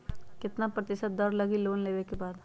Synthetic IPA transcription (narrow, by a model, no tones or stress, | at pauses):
kɪt̪napɾɐt̪ɪʃət̪̚d̪ɐɾlɐɡiloːnleːʋekebaːd̪